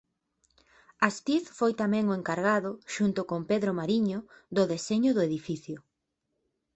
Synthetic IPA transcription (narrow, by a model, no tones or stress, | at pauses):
ast̪iθfojt̪amɛ̃ŋʊeŋkaɾɣaðʊʃunt̪ʊkompeðɾomaɾiɲʊðʊðeseɲʊðʊeðifiθjʊ